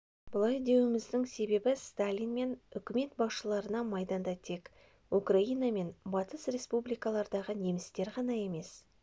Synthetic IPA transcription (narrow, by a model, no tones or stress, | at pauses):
b̥ʊlˠɑjd̪e̞wɪmɪzd̪ɪŋse̞be̞bɪst̪alʲijnme̞nʏkʲɪme̞t̪bɑsʃəlˠɑɾənɑmɑjd̪ɑnd̪ɑt̪ʰe̞k | ukraijname̞nbɑt̪əsrʲe̞spublijkɑlˠɑɾd̪ɑʁəne̞mɪst̪e̞ɾʁɑnɑe̞me̞s